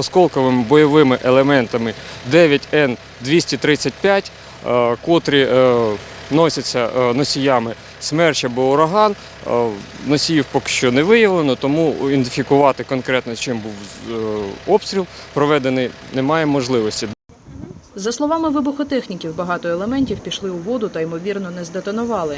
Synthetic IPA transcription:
ɔskɔlˠkɔʋɪmɪbɔjɔʋɪmɪʔelˠemɛnt̪ɐmɪd̪ɛʋʲjɐtʲɛn | d̪ʲʋʲisʲtʲit̪ɾɪt͡sʲːɐt̚ʲpʲjatʲ | kɔt̪ɾʲi | nɔsʲɐt͡sʲːɐnɔsʲijɑmɪ | smɛrt͡ʃɐbɔɔɾɐɦɑn | nɔsʲijiwpɔkɪ̥ʃt͡ʃɔnɛʋɪjɐʋlˠenɔt̪ɔmuind̪ɪfʲikʊʋɑt̪ɪkɔnkɾɛt̪nɔt͡ʃɪmbuw | ɔpst̪ʲɾʲilˠpɾɔʋɛd̪enɪj | nemɑjɛmɔʒlˠɪʋɔsʲtʲi | zɐslˠɔʋɑmɪʋɪbʊxɔt̪ɛxnʲikʲiwbɐɦɑt̪ɔelˠemɛnʲtʲiwpʲiʃlˠɪʊʋɔd̪ʊt̪ɐimɔʋʲirnɔnɛzd̪et̪ɐnʊʋɑlˠɪ

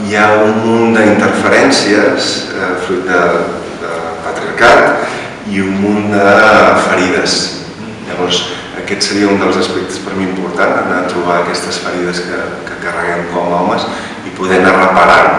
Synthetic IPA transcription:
jaummund̪əint̪əɾfəɾɛnsiəs | ɛfɾujt̪̚d̪ə | d̪əpət̪ɾiəɾkat̪ | iummund̪əfəɾiðəs | ʎəβɔrz | əkɛt̪səɾiəund̪əlˠzəspɛk̚t̪ə̥spəɾmiimpuɾt̪anənat̪ɾuβ̞aːkɛst̪əsfəɾiðəskəkəkərəɣ̞ɛmkɔmɔməs | ipuðɛnərəpəɾa

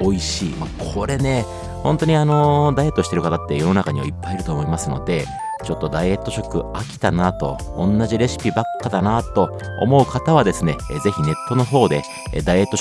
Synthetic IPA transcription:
o̞iɕiːmakʰo̞ɾe̞ne̞ | hõ̞nt̪o̞ɲ̟iano̞d̪aije̞t̪ːoɕit̪eɾɯkat̪at̪ːe̞jo̞no̞nakaɲ̟iβa̰ipːaiɾɯ̟t̪o̞ːmo̞imasɨno̞̰d̪e̞ | t͡ɕo̞t̪ːo̞d̪aie̞t̪ːo̞ɕo̞kɯ̟akʲi̥t̪anat̪o̞̰ | õ̰nːaʑiɾe̞ɕi̥pʲibakːad̪anat̪o̞ | o̰mo̞ɯ̟kat̪aβ̞ad̪e̞sɨne̞ze̞çine̞t̪ːo̞no̞ɦo̞ːd̪e̞̰ | d̪aie̞t̪ːo̞

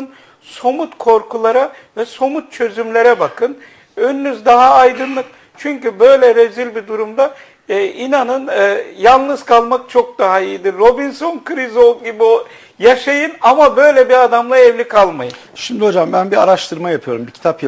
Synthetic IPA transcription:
n | so̞mut̪kʰo̞ɾkulˠaɾa | vɛso̞mut̪̚t͡ʃʰø̞zymlʲeɾɛbakʰɯn | ønynyzd̪aɦaːjd̪ɯnlˠɯk̚ | t͡ʃʰyɲcybø̞jlʲɛɾezilʲbid̪uɾumd̪a | inanɯnːjalˠnɯzkʰalˠmak̚t͡ʃʰo̞k̚d̪aɦaijid̪iɾːo̞binso̞nkʰɯɾizo̞lˠɟibio | jaʃajɯnamabø̞jlʲɛbiad̪amlˠaɛvlʲikʰalˠmajɯnʃimd̪io̞d͡ʒambænbiaɾaʃt̪ʰɯɾmajapʰɯjo̞ɾumbicʰi̥t̪ʰap

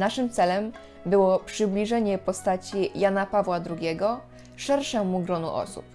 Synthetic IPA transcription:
naʂɘmt̪sɛlɛm | bɘwɔpʂɘblʲiʐɛɲɛpɔst̪at͡ɕijanapavwad̪ɾuɡʲɛɡɔ | ʂɛɾʂɛmːuɡɾɔnṵʔɔ̰sṵp̚

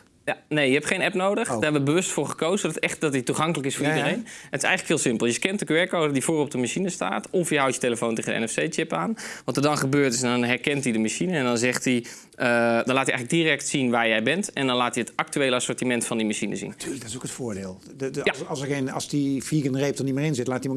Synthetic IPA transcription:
janejjəɦɛpχejnɛpnowdəxdaːɛbəʋəbəʋøstfʊːrχəkowzədɛxt̚dɔtituχɑŋkələkɪsfoːdərejnətɪsɛ̰jələkhiːlˠsɪmpəlˠjəkɛntəkʋɛrkoːdədifoːəɔp̚dəmasinəsta̰ːtɔfjəɦawtjəteləfoːnteːɣəndəɛ̰nɛfsejt͡ʃɪpaːnʋɑtədɑnχəbøːrtɪsɛndɔnɦɛrkɛntidəmaʃinəɛndɔnzɛχti | ədɔnlaːtjəʔjŋələɡdirɛk̚tsinʋaːjɛjbɛntɛndɔnlaːtjəətɑk̚tyʋeːləasʊːɹtimɛntfɑndimaʃinə̰zḭntːlədɪsokətfʊːɹdeːlˠ | asəɣenɑ̰lˠsdifiːkənrejp̚tənimɪːrɪnzɪtlaːti

